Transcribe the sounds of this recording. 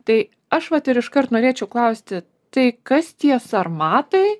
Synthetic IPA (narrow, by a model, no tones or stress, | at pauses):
t̪ɐɪ | ɐʃʋɐt̪ɪɾɪʃkɐɾt̪noːɾʲeːt͡ʃʲɛʊklˠɐʊsʲt̪ʲɪ | t̪ɐɪkɐst̪ʲiɛsɐɾmɑːt̪ɐɪ